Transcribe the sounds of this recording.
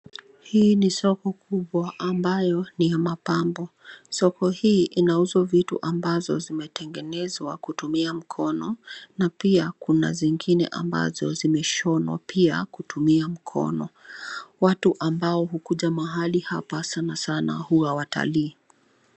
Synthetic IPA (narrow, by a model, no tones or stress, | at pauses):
hiːnisɔkɔkʰuɓwaʔːmbajɔnijamapambɔsɔkɔhiːʔinauzɔvitṵʔambazɔ̰zimɛtʰɛŋɡɛnɛzwakutumiam̩kʰɔnɔnapiakuna̰ziŋɡinɛ̰ʔa̰mba̰zɔzimɛʃɔnwa̰pia̰kutumiam̩kʰɔ̰nɔ | watuʔambaɔɦukuʄamaɦalihapasanasana̰huawata̰liː